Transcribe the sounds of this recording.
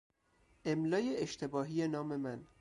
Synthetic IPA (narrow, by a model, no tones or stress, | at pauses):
ʔemlɒːjeeʃt̪ʰe̞bɒːɦiːjenɒːme̞mæn